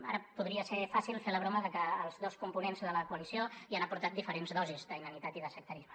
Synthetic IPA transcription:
a̰ɾəpuðɾiəsefasilˠfeləβɾoməðəkəːlˠzðoskumpunenzðələkuəlisioianəpuɾt̪at̪d̪ifəɾenzðɔzizðəinənit̪at̪iðəsək̚t̪əɾizmə

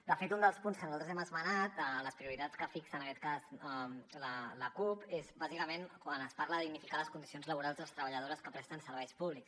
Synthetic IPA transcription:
d̪əfet̪und̪əlˠspunskənuzalt̪əzɛməzmənat̪ələspɾiuɾit̪att͡sskəfiksənəkɛt̪̚kazələləkupezbazikəmenkwanəspaɾləðiɣnifikaləskund̪isionzləβ̞uɾalˠzəlˠst̪ɾəβʎəðoɾəskəpɾɛt̪ənsəɾβɛjspuβliks

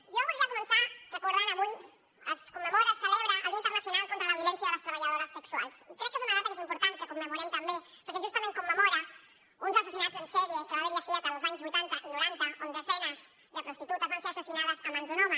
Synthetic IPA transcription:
ʒoβuʒakumənsarəkuɾðaɾaβuj | əskumːəmoɾasəlɛβɾaʔəlint̪ərnasjonalkont̪ɾəlɐβjolɛnsjɐðəlɐst̪ɾəβaʎaðoɾɐsːəksualˠsikɾɛk̚ːezunɐðat̪amezimpuɾt̪ankəkumːəmuɾɛmt̪ambe | pəɾkeʒust̪ɐmẽŋkumːəmoɾa | unzasesinat̪d͡zensɛɾjekəβaβeɾʎafiat̪ənlzaɲzβujt̪ant̪aʔinuɾant̪ɐond̪əzɛnɐz | d̪əpɾust̪it̪ut̪azβanseɾasesinaðəzəmãnzunɔma

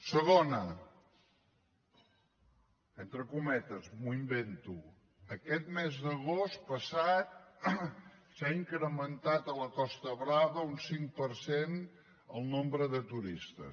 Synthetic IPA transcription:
səɣ̞onə | ent̪ɾəkumɛt̪əzmuimbent̪u | əkɛt̪mɛzðəɣost̪pəsat̪̚ | saiŋkɾəmənt̪at̪ələkɔst̪əβɾaβəunsiŋpəɾsen | ə̰lˠnombɾəðət̪uɾist̪ə̰

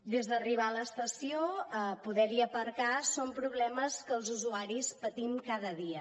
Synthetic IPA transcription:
d̪ezðəriβ̞aləːst̪əsioəpuðɛɾiəpəɾkasompɾuβlɛməskəlˠzuzuaɾispət̪imkaðəðiə

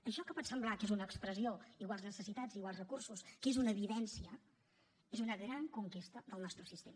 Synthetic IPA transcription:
əʃɔkəpɔt̪səmblˠakezunəːkspɾəzioiɣwalˠznəsəsit̪ad͡ziɣwalˠzrəkursuskezunəβiðɛnsiə | ezunəɣɾaŋkuŋkest̪əðəlˠnɔst̪ɾəsist̪emə

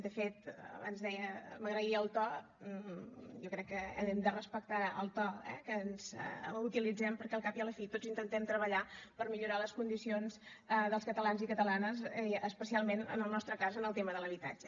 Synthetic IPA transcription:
d̪əfet̪əa̰nzðɛjəməɣɾəiəlˠt̪ɔ | jɔkɾɛkːəəɛmd̪ərəspək̚t̪aə̰lˠt̪ɔɛ̰kənz̥̰ut̪ilid͡zɛmpəɾkɛlˠkapiələfit̪od͡zint̪ənt̪ɛmt̪ɾəβəʎapəɾmiʎuɾaləskund̪isionz | əðəlˠskət̪əlanzikət̪əlanəzəspəsialˠmenə̰nəlˠnɔst̪ɾəkazənəlˠt̪eməðələβit̪a̰d͡ʒə

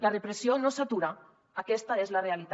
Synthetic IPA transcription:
larepɾesionosat̪uɾa | akɛst̪aezlarealit̪

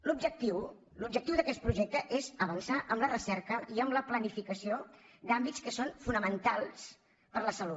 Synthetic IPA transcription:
lubʒək̚t̪iw | lub̚ʒək̚t̪iwðəkɛst̪̚pɾuʒek̚t̪əʔezəβ̞ənsaʔəmblərəsɛɾkəiəmləplənifikəsiod̪ambitskəsonfunəmənt̪alˠs | pəɾləsəlu

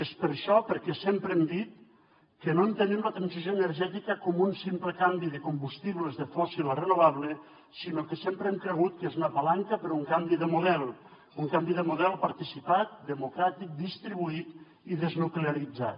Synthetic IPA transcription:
espəɾʃɔpəɾkɛsempɾɛmd̪it̪̚ | kənoənt̪ənemlət̪ɾansizjoenəɾʒɛt̪ikəkɔmunsimpləkambiðəkumbust̪iβləzðəfɔsilərənuβaβlə | sinokəsempɾəɛmkɾəɣ̞ut̪̚kezunapalaŋkapəɾɔuŋkambiðəmuðɛlˠ | uŋkambiðəmuðɛlˠpaɾt̪isipat̪̚d̪əmukɾat̪ik̚d̪ist̪ɾiβ̞uit̪ | iðəznukleaɾid͡za̰t̪

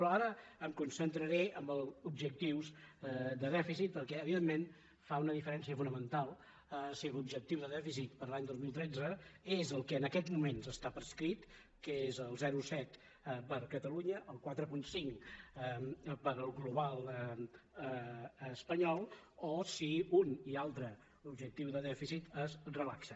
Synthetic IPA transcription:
pɾɔaɾəːmkunsənt̪ɾəɾeəmbəlˠubʒək̚t̪iwzd̪əðɛfisit̪̚pəɾkɛəβiðemːen | faunəðifəɾɛnsiəfunəmənt̪alˠ | əsilubʒək̚t̪iwðəðɛfisit̪̚pəɾlaɲd̪ozmilˠt̪ɾɛd͡zəezəlˠkəːnəkɛd͡zmumenzəst̪apɾəskɾit̪ | kəezəlˠzɛɾusɛt̪ | pəɾkət̪əluɲəʔəlˠkwat̪ɾəpunsiŋk | pəɾəlˠɣluβalˠəəəspəɲɔlˠosiunialˠt̪ɾə | ubʒək̚t̪iwðəðɛfisit̪əzrəlaksə

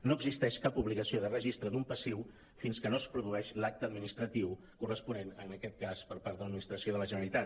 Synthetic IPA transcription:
noəɡzist̪ɛʃkapuβlikəsioðərəʒist̪ɾəd̪umpəsiw | finskənoəspɾuðuɛʃlak̚t̪əd̪minist̪ɾət̪iw | kurəspunenənəkɛt̪̚kaspəɾpaɾt̪ələd̪minist̪ɾəsioðələʒənəəlit̪a

